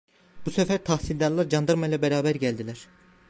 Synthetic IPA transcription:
b̥usɛfæɾt̪ʰahsilʲd̪aɾlˠaɾd͡ʒand̪ɯɾmajlˠabɛɾaːbæɾɟælʲd̪ilʲæɾ̥

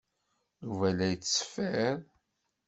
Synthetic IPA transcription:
juvælæjət͡sːsə̥fəɾ

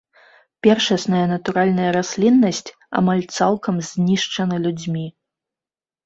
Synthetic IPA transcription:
pʲɛrʂɐsnɐjɐnɐt̪uɾalʲnɐjɐɾasʲlʲinːɐsʲt͡sʲ | a̰malʲt̪salˠkɐmzʲnʲiʂt͡ʂɐnɐlʲud͡zʲmʲi

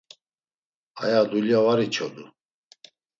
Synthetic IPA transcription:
a̰jad̪uljavaɾit͡ʃʰɔd̪u

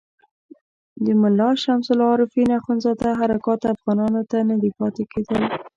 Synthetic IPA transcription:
d̪əmʊlːɑʃamsʊlɑɾɪfinaxʊnzɑd̪aɦaɾakɑt̪afɣɑnɑnot̪anad̪ipɑt̪eked̪əl

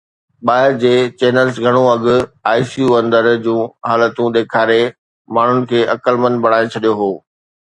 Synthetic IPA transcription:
ɓaːɪɾd͡ʑeːt͡ɕeːnəlsɡʱɐɽ̃õɐɠʊ̆aːisijuːɐ̃nd̪əɾd͡ʑũːɦaːlət̪ũɗ̪eːkʰaːɾe | maːɳ̤ʊnɪ̆kʰeːɐkəlmənbʱɐɽ̤̃aːet͡ɕʰɐɗijoɦoː

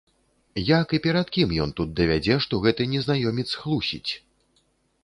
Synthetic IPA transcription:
jakipʲɛɾɐt̪kʲimjɔnt̪ut̪̚d̪ɐvʲad͡zʲɛʂt̪ɔɣɛt̪ɨnʲɛznajɔmʲɛt̪sxlˠusʲḭt͡sʲ

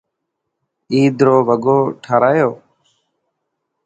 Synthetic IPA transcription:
iːd̪ɾoːʋəɡoːʈʰaːɾaːjoː

